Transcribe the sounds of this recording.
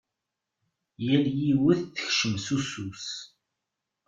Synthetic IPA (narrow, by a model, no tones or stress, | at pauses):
jæljiwəθθə̥çʃəmsusus